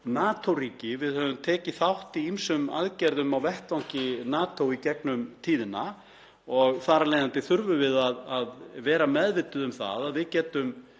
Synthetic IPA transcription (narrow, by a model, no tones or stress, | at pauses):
naːt̪ʰowriːcɪvɪðhœːvʏmt̪ʰɛːcɪθawht̪iimsʏma̰ðcɛɾðʏmawvɛht̪lawŋ̥cɪnaːt̪owicɛknʏmt̪ʰiːðɪna | ɔɣθaːɾalejðant̪ɪθʏɾvʏvɪðaðaðvɛːɾamɛðvɪt̪ʏðʏmθa̰ðaðvɪðcɛːt̪ʏm